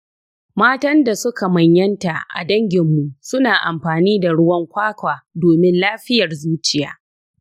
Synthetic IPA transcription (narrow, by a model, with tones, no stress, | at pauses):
maː˦tɐ˦nda˨sʊ˦ka˨mɐ˨ɲjɐ˦nta˨ʔa̰˨dɐ˦ŋɡʲɪ˨mːu˨sʊ˦naː˨ʔa˨mɸaː˨niː˦da˨ɽʊ˦wɐ˦ŋkʷaː˦kʷaː˨doː˨mɪ˦nlaː˦ɸɪ˦jɐ˨rzuː˦t͡ʃɪ˦ja̰ː˨